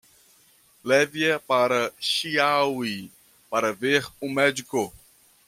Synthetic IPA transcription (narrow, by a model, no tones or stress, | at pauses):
lɛviɐpaɾɐʃiawi | paɾɐveɾʊmɛd͡ʒiko